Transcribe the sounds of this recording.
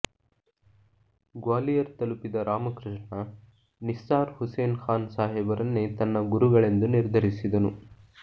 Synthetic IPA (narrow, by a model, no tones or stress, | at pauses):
ɡwaːlijɐɾt̪ɐlupid̪ɐɾaːmɐkɾɪʂɳɐ | nistaːɾhuseːnxaːnsaːɦɛbɐɾɐnːet̪ɐnːɐɡuɾuɡɐɭe̞nd̪uniɾd̪ʱɐɾisid̪ɐnu